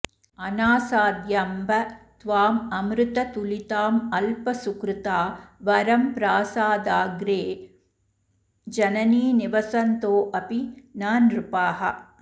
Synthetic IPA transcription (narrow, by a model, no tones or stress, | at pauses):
ɐnaːsaːd̪jɐmbɐt̪ʋaːmɐmɾɨt̪ɐt̪ulit̪aːmɐlpɐsukɾɪt̪aːʋɐɾɐmpɾaːsaːd̪aːɡɾeː | d͡ʒɐnɐniːniʋɐsɐnt̪oːʔɐpinaːnɾupaːɦɐ̰